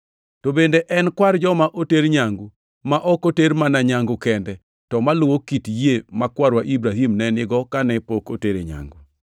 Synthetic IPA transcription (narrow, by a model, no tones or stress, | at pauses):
tobendeʔɛnkwaɾd͡ʒɔmaʔoteɾɲaŋɡu | maʔɔkoteɾmanaɲaŋɡʊkɛndɛ | tɔmalʊwokitjemakwaɾwaʔibɾaɦimnɛnɪɡɔkanɛpoko̰teɾḛɲa̰ŋɡu